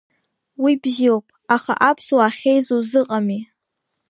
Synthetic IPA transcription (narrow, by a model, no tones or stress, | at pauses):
wibziowpʼaχa̰ʔapʰsuwaχʲejzozɨqʼami